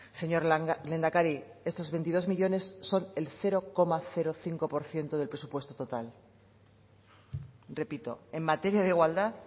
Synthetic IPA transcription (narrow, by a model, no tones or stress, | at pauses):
se̞ɲo̞ɾle̞nd̪akaɾie̞st̪o̞zβe̞nt̪ið̞o̞zmiʎo̞ne̞sːo̞ne̞lθe̞ɾo̞ko̞maθe̞ɾo̞θiŋko̞po̞ɾθje̞nt̪oð̞e̞lpɾesupwe̞st̪ot̪o̞t̪al | re̞pit̪o̞̰e̞mmat̪e̞ɾjaðeiɣwald̪að